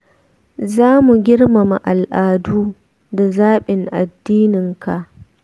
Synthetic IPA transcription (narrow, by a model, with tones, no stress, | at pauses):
zaː˦mu˨ɡʲɪ˦ɽma˨ma˨ʔa˨lʔaː˨duː˦ | da˨zaː˦ɓɪ˨ŋʔa̰˨dːiː˦nɪ˨ŋka˨ʔ